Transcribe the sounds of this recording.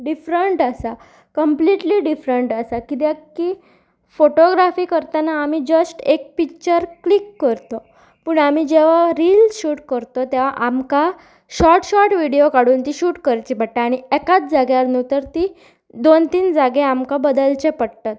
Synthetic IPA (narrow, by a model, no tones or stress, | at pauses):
ɖifɾəɳʈasa | kəmpliʈliːɖifɾəɳʈasakit̪̬jãkːi | foʈoɡɾafiːkəɾt̪anaːmid͡ʑəsʈek̚pikt͡ɕəɾklikːəɾt̪o | puːɳamid͡ʑeʋ̤aɾiːlsɕuːʈkəɾt̪ot̪eʋaʔamka | ɕɔɾʈɕɔʈʋiɽiokaɽuːnt̪iɕuːʈkəɾt͡ɕibəʈːaːɽ̃iɛkat͡sd͡zaɡjaɾnut̪əɾt̪i | d̪ont̪iːnd͡zaɡeamkabəd̪əlt͡ɕepəɽt̪at̪̚